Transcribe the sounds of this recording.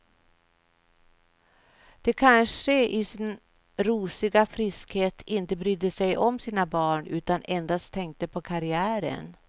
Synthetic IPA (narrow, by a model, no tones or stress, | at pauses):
d̪̥ɛkʰanʂəʔɪsɪn | ɾuːsɪɡafɾɪskheːt̪ʰɪnt̪əbɾyːd̪ːəsɛjʔɔmsiːnabɑːɳʉ̟ːt̪anɛnd̪ast̪ʰɛŋk̚t̪əpʰɔkʰaɾɪæːɾə̰n